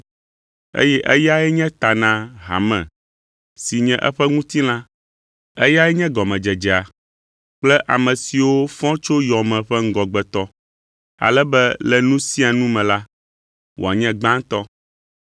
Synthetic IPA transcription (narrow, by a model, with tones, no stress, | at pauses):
ḛ˦jɛ˦ʔɛ˦ja˦ɛ˦ɲɛ̃˦t̪a˨nã˦ɦa̰˨mɛ̰̃˨ | si˨ɲɛ̃˨ʔɛ̰˦ɸɛ˦ŋũ˦t̪i˦lã˦ | ɛ˦ja˦ɛ˦ɲɛ̃˦ɡɔ˨mɛ̃˨d͡ʒɛ˨d͡ʒɛ˨a˨ | k͡plɛ˦ʔa˨mɛ̃˨si˨wo˦fɔ̃˦t͡ʃo˦jɔ˨mɛ̃˨ɸɛ˦ŋ̩˦ɡɔ˨ɡ͡bɛ˨t̪ɔ˦ | a̰˨lɛ˦bɛ˦lɛ˨nũ˦si˦a˨nũ˦mɛ̃˨la˦ | wʔo̰˨a˨ɲɛ̃˦ɡ͡bã˦ŋ˦t̪ɔ˦